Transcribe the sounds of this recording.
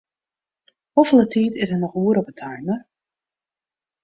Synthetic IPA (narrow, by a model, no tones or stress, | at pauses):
ɔfəlˠətʰiːtɪsənɔxuəɾɔpətʰajmər